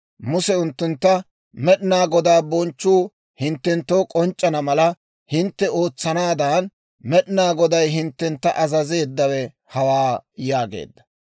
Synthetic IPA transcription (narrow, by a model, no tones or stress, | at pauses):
mʊsɛʊnt̪ːʊnt̪ːɐ | mɛɗɪnaːɡɔd̪aːbɔnt͡ʃːuː | hɪnt̪ːɛnt̪ːo̞ːkʼɔnt͡ʃʼːɐnɐmɐlɐ | hɪnt̪ːɛo̞ːt͡sːɐnaːd̪aːn | mɛɗɪnaːɡɔd̪ɐjɦɪnt̪ːɛnt̪ːɐʔɐzɐzeːd̪ːɐwɛ | hɐwaːjaːɡḛːd̪ːɐ̥